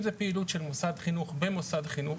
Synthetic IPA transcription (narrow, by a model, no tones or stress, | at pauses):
zepeilutʃelmosadχinuχbemosadχinu